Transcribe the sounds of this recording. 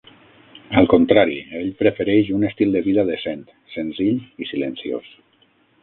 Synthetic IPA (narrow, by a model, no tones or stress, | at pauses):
əlˠkunt̪ɾaɾḭeʎpɾəfeɾɛʃunəst̪ilˠd̪əβiðaðesent̪ | sənziʎisilənsio̰s